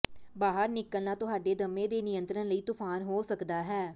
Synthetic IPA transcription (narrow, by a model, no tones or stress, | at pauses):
baːɦəɾnɪkːəlnaːt̪ʊɦaːɖeːd̪əmːẽːd̪eːnɪjənt̪ɾənləiːt̪ʊpʰaːnɦoːsəkd̪aːɦɛː